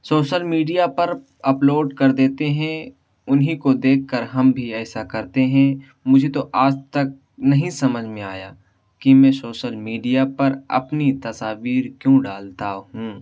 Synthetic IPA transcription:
soːʃəlmiːɖijapɐɾ | ɐploːɖkɐɾd̪eːt̪eɦɛ̃ | ʊnɦĩkod̪eːkʰːəɾɦɐmbʱiɛːsakɐɾt̪eɦɛ̃ | mʊd͡ʒʱet̪oʔaːd͡ʒt̪ɐk̚ | nɐɦĩsɐməd͡ʒʱmẽaːja̰ː | kimɛ̃soːʃəlmiːɖijapɐɾɐ̰pnit̪ɐsaːʋiːɾkjõːɖaːlt̪aɦũː

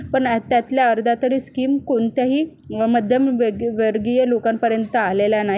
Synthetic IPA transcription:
pəɳt̪jat̪ljaəɾd̪ʱat̪əɾiːskiːmkoɳt̪jaɦiː | məd̪ʱjəmʋəʋəɾɡijəlokampəɾjənt̪əaleljanaɦ

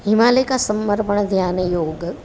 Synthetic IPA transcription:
ɦɪmaːlekasɐmːəɾpəɳ̃d̪ʱjaːnjoːɡ

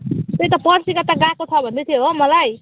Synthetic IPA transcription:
t̪ejt̪ʌpʌrsikʌt̪aɡakot̪ʰʌbʱʌnd̪et̪ʰijoɦmʌlaj

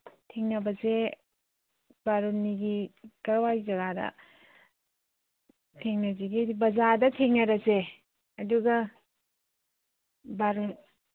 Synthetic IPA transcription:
tʰeŋnɐbɐze | baɾonːiɡikɐɾwajzɐɡadɐ̰ | tʰeŋnɐzeɡibɐzadɐtʰeŋnɐɾɐse | ɐduɡɐ | baɾon

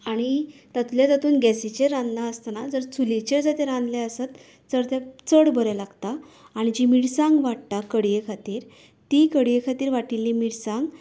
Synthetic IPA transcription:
aɽ̃it̪at̪uljat̪at̪uːnɡɛsit͡ɕeɾãnd̪laəst̪anad͡zəɾt͡sʰulit͡ɕeɾd͡zat̪eɾãnd̪lɛəsat̪ | d͡zəɾt̪ɛt͡səɽbəɾelaɡt̪aː | ɽ̃id͡ʑimiɽsãŋɡʋaɽt̪akəɽjekʰat̪iːɾ | t̪ikəɽjekʰat̪iːɾʋaʈilːimiɽsãŋɡ

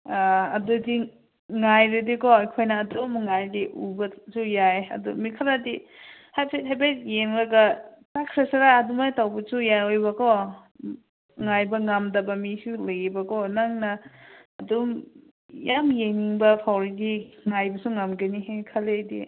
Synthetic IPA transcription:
aɐdudi | ŋajɾɐdikɔajkʰojnɐːdumŋajdiʔubɐsujajɐ̰dumikʰaladihajpʰet̚ɦajbet̚jeŋlɐɡɐtakʰɾesaɾaːdumajtawbɐsujajojbɐkɔ | ŋajbɐŋamdɐbɐmisulajibɐkɔnaŋnɐːdum | jamjeŋiŋbɐpʰawɾiɡiŋajbɐsuŋamɡɐnihekʰaledḭ

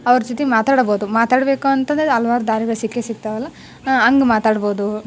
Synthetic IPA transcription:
ɐʋɐɾɐd͡ʒot̪emaːt̪aːɽboːd̪umaːt̪aːɽbe̞ːkuɐnt̪ɐnd̪ɾeɐlʋaːɾud̪aːɾiɡɐɭsikːesiɡt̪ɐʋɐlːɐ | ɐŋɡemaːt̪aːɽbo̞ːd̪u

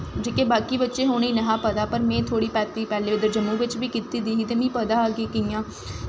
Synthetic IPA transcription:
d͡ʒeːkeːbaːkiːbətːʃeːɦoːniːnəɦãːpəd̪aːpəɾmɛ̃ːt̪ʰoːɽiːpɛːt̪iːpɛːleːd̪əɾd͡ʒəmːũːʋɪt͡ʃbiːkit̪iːd̪iːɦiːt̪eːmĩːpəd̪aːəɡeːkɪãː

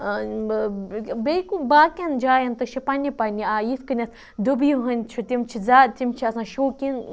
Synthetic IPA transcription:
bekubaːkʲɐnd͡ʒaːjɐnt̪ɨʃipɐnʲipɐnʲiaːjiskɨnʲɐs | d̪ubjuɦɐnʲt͡ʃʰut̪ʲimt͡ʃʰizaːt̪ʲimt͡ʃʰiɐsãːʃoːkʲin

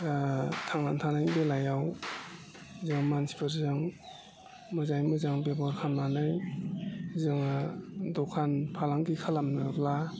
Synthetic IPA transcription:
tʰaŋnantʰanajbelajaw | zɯŋmansʰi̥pʰaɾzɯŋ | mɯzajmɯzaŋbebɔɾkʰamnanɯj | zɯŋadɔkʰanpʰalaŋdikʰalamnɯbla

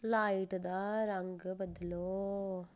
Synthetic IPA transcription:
laːjʈɨd̪aːɾɐŋɡɯbɐd̪ːɐloː

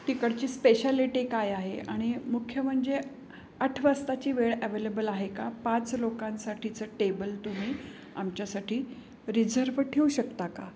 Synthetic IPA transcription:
ʈikəɽt͡ɕiːspeɕaliʈikajaɦeaɽ̃imukʰjəm̤əɳd͡ze | əʈʰʋəst̪at͡ɕiːʋeɭəʋelebəlaɦekapãt͡slokãnsaʈʰit͡səʈebəlt̪um̤iː | a̰mt͡ɕjasaʈiː | ɾid͡zəɾʋʈʰeuɕəkt̪aka

